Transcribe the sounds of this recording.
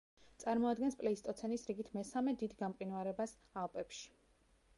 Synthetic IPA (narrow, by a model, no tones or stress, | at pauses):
t̪sʼaɾmɔad̪ɡɛnspʼlɛist̪ʼɔt̪sʰɛnisɾiɡit̪ʰmɛsamɛd̪id̪ɡamqʼinvaɾɛbas | alˠpʼɛpʃi̥